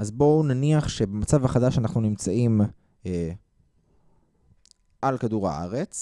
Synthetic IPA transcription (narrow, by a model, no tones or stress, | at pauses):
ʔazbo̞naniaχʃe̞bemat͡savaχadaʃanaχnunimt͡saim | e | ʔalkaduʁa̰ʔa̰ʁe̞t͡s